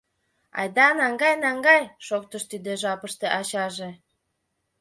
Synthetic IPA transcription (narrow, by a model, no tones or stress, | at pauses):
ɑ̰jd̪ɑnɑŋɡɑjnɑŋɡɑjʃok̚t̪əʃt̪id̪eʒɑpəʃt̪eʔɑɕɑʒe